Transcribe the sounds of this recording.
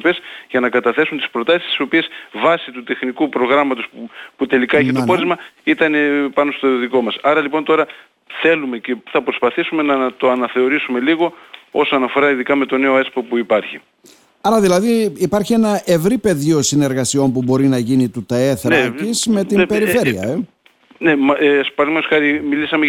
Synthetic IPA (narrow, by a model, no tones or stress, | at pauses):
pesʝɐnɐkɐt̪ɐθe̞sunt̪ispɾo̞t̪ɐsist̪i̥so̞piesvɐsit̪ut̪e̞xnikupɾo̞ɣɾɐmɐt̪o̞sput̪e̞likɐeçeooɾizmɐit̪ɐnepɐnost̪oðiko̞mɐsɐɾɐlipo̞nt̪o̞ɾɐ | θe̞lume̞ce̞θɐpɾospɐθisume̞nɐt̪o̞ɐnɐθe̞o̞ɾisume̞liɣo̞o̞sonɐfo̞ɾɐiðikɐme̞t̪o̞ne̞o̞espopuipɐɾçi | ɐɾɐðilɐðiːpɐɾçie̞nɐʔe̞vɾipe̞ðio̞sine̞ɾɣɐsio̞mpubo̞ɾinɐʝinit̪ut̪ɐe̞θɾcisme̞t̪impe̞ɾife̞ɾiɐ̰e | nemspɐɾimeosxɐɾimilisɐme